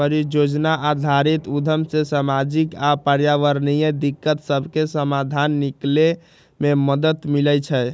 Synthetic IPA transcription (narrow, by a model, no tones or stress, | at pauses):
əɾid͡ʒod͡ʒnaʔad̪ʱaɾit̪ud̪ʱəmsesamad͡ʒikapəɾjaʋəɾnijəd̪ikːət̪səbʱkesəmad̪ʱanːikle | meməd̪ət̪milɛt͡ʃʰɛ